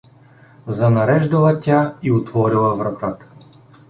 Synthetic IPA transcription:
zɐnɐɾɛʒd̪ɐlˠɐt̪ʲaiot̪vɔɾilˠɐvɾɐt̪at̪

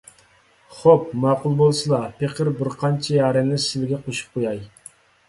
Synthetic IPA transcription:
χop̚mɑːqʊlˠbolˠsɨlˠɑpʰeqəɾbɪɾqʰɑnt͡ʃʰɛjɑːɾɛnɪsɪlɪɡʲɛqʰoʃu̥p̚qʰojɑj

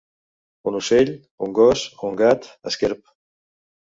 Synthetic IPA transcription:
unusɛʎ | uŋɡɔsoŋɡat̪a̰skɛɾp̚

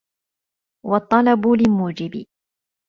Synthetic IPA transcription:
wɑt̪ˤːɑlɑbʊlɪmuːd͡ʒɪbɪ

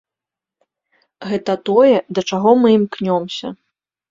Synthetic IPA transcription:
ɣɛt̪ɐt̪ɔjɛd̪ɐt͡ʂaɣɔmɨmknʲɔmsʲɐ

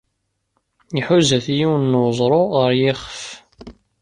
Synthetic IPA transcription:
iħuzæθjiwənːwzˤɾˤoʁəɾjɪχəf

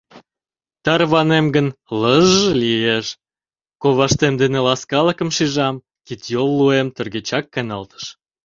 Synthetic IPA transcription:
t̪ɑrβɑnemɡənləʒːəlieʃ | koβɑʃt̪emd̪enelɑskɑləkə̆mʃiʒɑm | kit̪jolːuemt̪ə̆rɣet͡ɕɑkːɑnɑlt̪ə̥ʃ

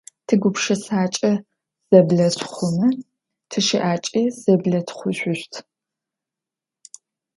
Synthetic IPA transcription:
tʰɨɡʷʊpʂɐsaːt͡ʃʼɐ | z̥ɐbɮɐtχʷʊmɨ | tʰɨʃiʔaːt͡ʃʼiːz̥ɐblɐtχʷʊɕʷʊɕtʰ

